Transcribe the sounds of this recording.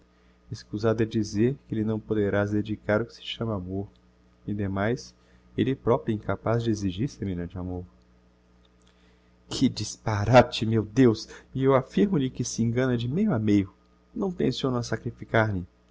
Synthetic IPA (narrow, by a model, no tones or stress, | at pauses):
eskuzad̪ɛd͡ʒizeɾkɪelɪnɐ̃w̃pod̪eɾasd̪ed͡ʒikaɾʊkɪ̥sɪ̥ʃɐ̃mɐamoɾ | ĩd̪emajs | elɪpɾɔpɾĩkapazd͡ʒɪeziʒiɾsemeʎɐ̃d͡ʒɪamoɾ | kʰɪd͡ʒispaɾat͡ʃɪmewd̪ewsɪewafiɾmʊʎɪkɪsɪẽɡɐ̃nɐd͡ʒɪmejʊamejʊ | nɐ̃w̃pẽsiõnʊɐsakɾifikaɾmɪ